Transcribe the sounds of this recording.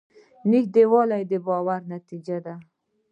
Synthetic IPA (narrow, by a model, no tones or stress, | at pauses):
nikd̪ewɒlajd̪ebɒwaɾnat̪ʰid͡ʒad̪a